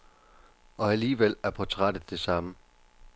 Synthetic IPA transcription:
ʔɒ̽æliːʋel̰æɐpʰɒ̽t͡sʰʁad̥ð̩ˠd̥e̝sɑ̈mə

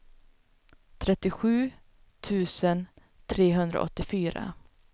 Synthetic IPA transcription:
t̪ʰɾɛt̪ːɪɧʉ̟ː | t̪ʰʉ̟ːsən | t̪ʰɾeːɦɵnd̪ɾʔa̰ʔɔt̪ːɪfyːɾa̰

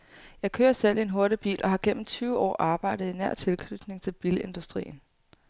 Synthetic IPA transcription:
jɑ̈ɪkʰøːɐsel̰ienɦo̝ɐɾ̥əb̥ḭːlʔɒ̽ɦɑ̈ɡ̥en̰m̩t͡sʰyːʊəɒ̰ːʔɑ̈ːb̥ɑ̈ɪ̰d̥ð̩ˠinæɐ̰t͡sʰe̝lkʰnyd̥ne̝ŋt͡sʰe̝lb̥ile̝nd̥usd̥ʁḭːn̩

